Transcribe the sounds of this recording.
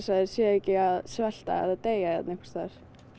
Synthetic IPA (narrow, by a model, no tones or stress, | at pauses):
saðɪɾ̥sjɛɛcɪaðsvɛl̥t̪a̰ɛ̰ðat̪eːjaɛ̰t̪nɪkvḁst̪ʰaɾ̥